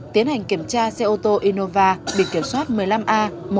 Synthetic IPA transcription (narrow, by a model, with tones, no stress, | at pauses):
t̪i˨˦ənha˨˩jŋ̟ki˧˩əmt͡ɕaː˧sɛ˧ʔo˧t̪o˧ʔi˧no˧vaː˧ɓḭ˧˨ki˧˩əmswaː˦˥t̚mɨ˨˩əjla˧mʔaː˧mo˨˩